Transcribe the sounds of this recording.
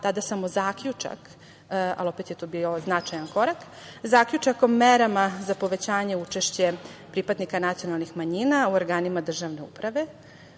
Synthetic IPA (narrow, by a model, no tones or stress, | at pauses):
t̪ad̪asamozaːkʎut͡ʂa̰k | a̰lo̞pet̪jet̪oːbioznat͡ʃajanko̞ɾak | zaːkʎut͡ʂakomeɾamazapo̞ʋet͡ɕaːɲe̞ut͡ʃeʃt͡ɕe̞pɾipad̪nikanat̪sijo̞nalˠnixmaɲinauoɾɡaːnimad̪r̩ʒaʋne̞ṵpɾaʋe̞